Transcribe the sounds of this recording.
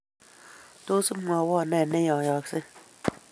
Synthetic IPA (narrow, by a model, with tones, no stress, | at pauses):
to˦sɨ˦ma˨wɔ˦˨nɛ˦˨ne˦jɔ̃˨jɔ˨kse˦